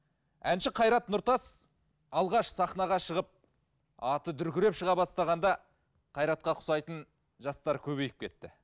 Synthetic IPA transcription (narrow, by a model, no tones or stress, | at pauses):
ænʃɪqʰɑjɾɑt̪nʊɾt̪ɑs | ɑlˠʁɑʃsɑχnɑʁɑʃəʁəp̚ | ɑt̪əd̪ʏɾkʲɪɾe̞pʃəʁɑbɑst̪ɑʁɑnd̪ɑ | qʰɑjɾɑt̪̚qɑqʰʊ̥sɑjt̪ən | ʒɑst̪ɑɾkʲʰɵβe̞jɪp̚kʲʰe̞t̪ːɪ̰